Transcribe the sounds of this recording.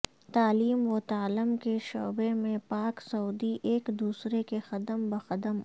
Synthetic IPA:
t̪aːliːmʋot̪aːləmkeʃo̰ːbemẽpaːksɐuːd̪iʔeːkd̪uːsɾekexɐd̪əmbɐxɐd̪əm

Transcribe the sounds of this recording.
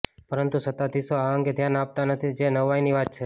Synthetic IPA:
pəɾənt̪usət̪ad̪isoaəŋɡed̪ʱjanap̚t̪anət̪ʰid͡ʒenəʋainiʋat̪̚t͡ʃʰe

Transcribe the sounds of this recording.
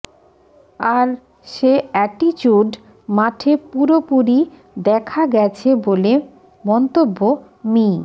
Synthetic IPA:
aɾ | ʃeɛʈit͡ɕuɖ | maʈʰepuɾopuɾi | d̪ɛkʰaɡɛt͡ɕʰebole | mɔnt̪obːo | mi

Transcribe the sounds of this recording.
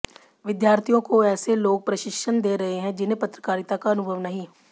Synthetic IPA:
ʋɪd̪jaːɾt̪ʰijõkoɛːseloːɡ̚pɾɐʃɪkʃənd̪eːɾɐɦeɦɛ̃d͡ʒɪnẽpɐt̪ɾəkaːɾɪt̪akaɐnʊbʱəʋnɐɦĩ

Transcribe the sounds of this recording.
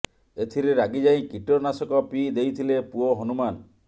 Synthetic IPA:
et̪ʰiɾeɾaɡid͡ʒaĩkiʈɔɾnasɔkɔpid̪ejt̪ʰilepuoɦɔnuman

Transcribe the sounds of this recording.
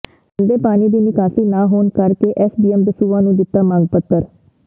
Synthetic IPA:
ənd̪eːpaːniːd̪iːnɪkaːsiːnaːɦoːnkəɾkeːʔɛːsbiːɛmb̪əsuːãːnũːd̪ɪt̪ːaːmãːŋɡpət̪ːəɾ

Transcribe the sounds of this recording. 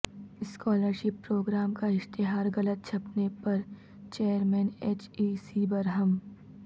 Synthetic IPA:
ɪskɔːləɾʃɪpːɾoːɡɾaːmkaɪʃt̪ɪɦaːɾɣɐlət̪̚t͡ʃʰɐpnepɐɾ | t͡ʃeːjəɾmɛ̃ːneːt͡ʃiːsibɐɾɦɐm

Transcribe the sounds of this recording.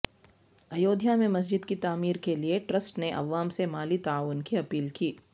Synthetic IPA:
ɐjoːd̪ʱjamẽmɐs̬d͡ʒɪd̪kit̪aːmiːɾkelieʈɾəsʈneʔɐ̰ʋaːmsemaːlit̪aaːʋʊnkiɐpiːlkiː

